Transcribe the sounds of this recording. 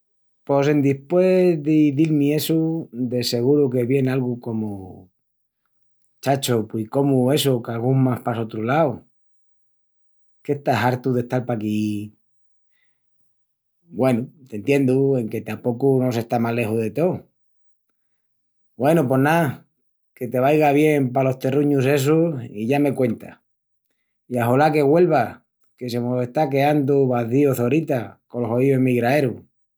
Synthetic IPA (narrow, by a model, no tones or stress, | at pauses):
po̞se̞nd̪ispwe̞ðiðilmie̞sud̪e̞se̞ɣ̞uɾuke̞βje̞nalɣuko̞mu | t͡ʃat͡ʃopwiko̞mue̞sokalɣuŋmaspasot̪ɾulaw | kest̪aɦaɾt̪uðe̞ht̪aɾpaki | bwe̞nut̪e̞nt̪je̞nd̪ue̞ŋke̞t̪ampo̞kuno̞se̞st̪amale̞huðe̞t̪o̞ | bwe̞nup̬wo̞hna | ke̞t̪e̞β̞ajɣaβje̞mpalo̞ht̪e̞ruɲuse̞s̬uiʝame̞kwe̞nt̪a̰ | iaɦolake̞ɣwe̞lβa | ke̞se̞mose̞st̪ake̞and̪uβaθioθo̞ɾit̪akolo̞soioemiɣɾae̞ɾu